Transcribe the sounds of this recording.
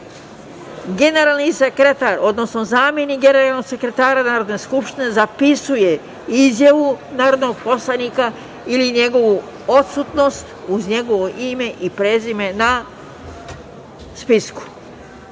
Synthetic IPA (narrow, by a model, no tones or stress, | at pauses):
ɡe̞ne̞ɾaːlˠnisekɾet̪aɾo̞d̪no̞sno̞zaːmje̞niɡe̞ne̞ɾalˠno̞ɡsekɾe̞t̪aːɾanaːɾo̞d̪ne̞skupʃt̪ine̞zapisuje̞ | izjaʋunaːɾo̞d̪noɡpo̞slˠanika | iliɲe̞ɡo̞ʋu | o̞t̪sut̪no̞st̪uzɲe̞ɡo̞ʋoʔime̞ʔipɾe̞ːzime̞na | spisku̥